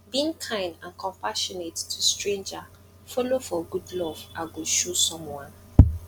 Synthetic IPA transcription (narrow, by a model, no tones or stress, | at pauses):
bĩŋkʰãɪ̃ndãnkʰɔ̃mpaʃɔnettʰustɹẽnd͡ʒa | fɔlofɔɡudlɔvaɡoʃosɔ̃mwãn